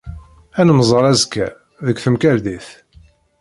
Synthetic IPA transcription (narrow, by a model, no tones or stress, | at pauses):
ænəmzˤəɾˤæzkːæ̰ | ðəkʷθəmkæɾd̪iθ